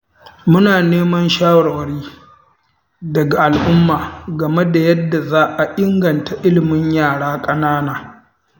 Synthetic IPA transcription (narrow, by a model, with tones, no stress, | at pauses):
mʊ˦naː˨neː˦mɐ˦nʃaː˦wɐ˨wɐ˨ɽiː˦ | dɐ˨ɡa˨ʔa˨lʔʊ˦mːaː˨ɡɐ˨me˦da˨jɐ˦dːa˨zaː˦ʔa˨ʔɪ˦ŋɡɐ˨nta˨ʔɪ˦lɪ˨mɪ˦ɲjaː˦˨ɽaː˦kʼɐ˦naː˦naː˨